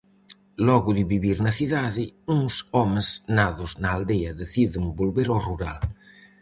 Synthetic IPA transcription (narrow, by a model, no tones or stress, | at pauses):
lɔɣuðiβiβiɾnɐθiðaðiuŋsɔmeznaðoznaːld̪eɐðeθiðɪmbolβeɾoruɾa̰l